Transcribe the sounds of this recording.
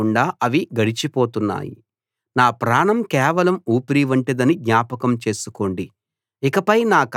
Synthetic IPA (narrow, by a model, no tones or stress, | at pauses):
uɳɖaːʔɐʋiɡɐɽit͡ʃipo̞ːt̪unːa̰ːjḭ | naːpɾaːɳɐmkɛːʋɐlɐmuːpiɾiʋɐɳʈid̪ɐnid̪ɲaːpɐkɐmt͡ʃe̞ːsuko̞ːɳɖi | ikɐpɐjnaːk